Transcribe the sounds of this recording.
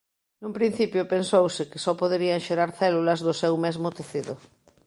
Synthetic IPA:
numpɾin̟θipjʊpensowsɪkɪsɔpoðeɾiaŋʃeɾaɾθɛlulɐzðʊsɛwmɛzmot̪eθiðʊ

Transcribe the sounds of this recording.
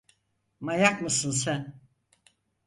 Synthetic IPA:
majakmɯsɯns̬æn

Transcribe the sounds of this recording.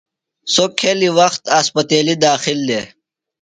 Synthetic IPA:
soːkʰːeliwɐxt̪aːspɐt̪eːlid̪ɑːxɪld̪e

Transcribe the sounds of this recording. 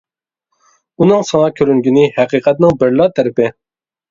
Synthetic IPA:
unɨŋsɨŋɑkʲʰøɾyŋɡʲinɪhæqiqʰɛt̪̚nɪŋbɪɾlˠɑt̪ʰæɾɪpɪ

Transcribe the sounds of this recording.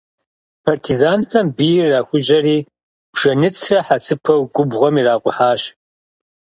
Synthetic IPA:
pʰartʰizaːnfɐmbijraːxʷʊʒɐriː | pʃɐnɨt͡sʰrɐħat͡sʰɨpʰɐwɡʷʼʊbʁʷɔmiːraːqʷʼʊħaːɕ

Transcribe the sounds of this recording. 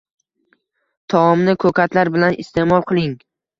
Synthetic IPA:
t̪ʰɒɒmnɪkʰɵkʲʰat̪ʰlaɾbɪlanɪ̰st̪ʰe̞mɒlˠqʰɨlˠɪŋ

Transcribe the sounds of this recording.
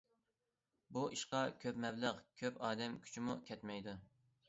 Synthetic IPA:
buʔiʃqɑkʲʰøpmɛbləqkʲʰøpɑːd̪ɛmkʲʰy̥t͡ʃʰimukʲʰɛt̪mɛjd̪u

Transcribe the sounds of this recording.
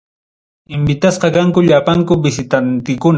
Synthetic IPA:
ɪmbɪt̪asqɑkaŋkʊʎapaŋkʊbɪsɪt̪ant̪ɪkʊn

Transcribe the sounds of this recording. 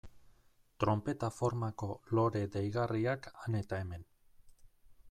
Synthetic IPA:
t̪ɾo̞mpe̞t̪afo̞ɾmako̞lo̞ɾe̞ðejɣariakane̞t̪ae̞me̞n

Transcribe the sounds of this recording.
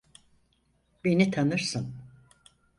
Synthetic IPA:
benit̪ʰanɯɾsɯn

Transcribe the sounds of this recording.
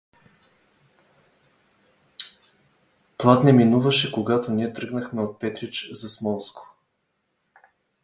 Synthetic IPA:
plˠat̪nɛminuvɐʃɛkoɡat̪oniɛt̪ɾɤɡnəxmɛot̪̚pɛt̪ɾit͡ʃzɐsmɔlˠskʊ̥

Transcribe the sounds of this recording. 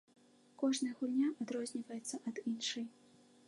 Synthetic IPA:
kɔʐnɐjɐɣulʲnʲaʔad̪ɾɔzʲnʲivɐjɛt̪sːɐʔɐd̪inʂɨj

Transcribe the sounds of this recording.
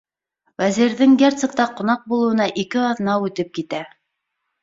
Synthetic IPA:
wæziɾðɘŋɡʲert̪sɘ̆k̚t̪ɑqŏnɑq̚bulˠɤ̆wɤ̆nɑʔikɘɑðnɑʉt̪ɘp̚kit̪æ

